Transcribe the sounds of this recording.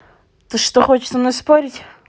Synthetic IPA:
t̪oʂt̪oxot͡ɕɪ̥t̪əmnospoɾʲɪtʲ

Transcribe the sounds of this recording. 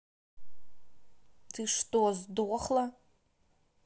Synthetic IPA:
tʰiʂtʼozdɨʁʷaχla

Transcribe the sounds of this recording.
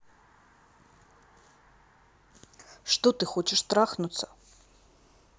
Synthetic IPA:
ʂt̪ot̪ɨχot͡ʃʰɪʂt̪raχnut̪t͡sʰɐ

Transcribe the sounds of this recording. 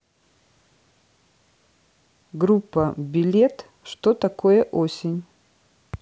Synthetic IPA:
ɡɾupːɐbʲilʲet̪ | ʂt̪ot̪ɐko̞jəʔosʲɪnʲ

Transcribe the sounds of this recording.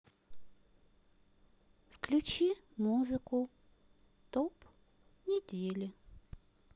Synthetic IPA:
fklʲut͡ɕimuzɨkʊ | t̪op | nʲɪdʲelʲɪ

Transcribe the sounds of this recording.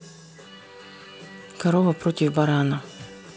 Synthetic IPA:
kɐɾovɐpɾotʲɪvbɐɾanɐ

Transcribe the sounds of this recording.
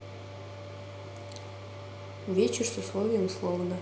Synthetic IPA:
vʲet͡ɕɪrsʊslˠovʲɪjəmuslˠovnə

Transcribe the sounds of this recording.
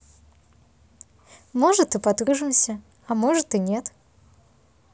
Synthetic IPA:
mɔʐɐt̪ɨpat̪ɾɨʐɨmsʲɐ | ɐmɔʐɐt̪ɨnʲɛt̪

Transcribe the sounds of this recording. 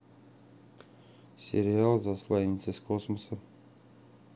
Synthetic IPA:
sʲɪɾʲɪalˠzaslˠajnʲɪt̪səsʲkosməsə

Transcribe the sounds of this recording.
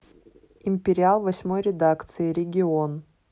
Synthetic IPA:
ɪmʲpʲɪɾʲɪalˠvɐsʲmo̞jɾʲɪd̪akt̪sɨɪɾʲɪɡʲɪon

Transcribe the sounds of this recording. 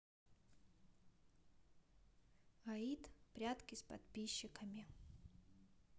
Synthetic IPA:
ait̪pɾʲat̪kʲɪspɐ̰t̪pʲiɕːɪkəmʲɪ

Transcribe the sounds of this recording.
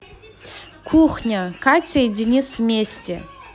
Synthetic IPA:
kʰuχnʲakatʲʰajdʲinʲismʲesʲtʲḛ

